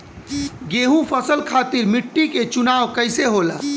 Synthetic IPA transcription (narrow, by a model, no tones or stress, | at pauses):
ɡeɦũpʰəsəlkʰat̪iɾmiʈːiket͡ʃunaːʋkəɪseɦola̰ː